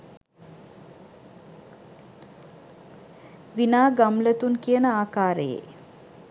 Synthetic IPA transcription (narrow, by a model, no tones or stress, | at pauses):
ʋinaːɡamlət̪unkijənəaːkaːɾəjḛ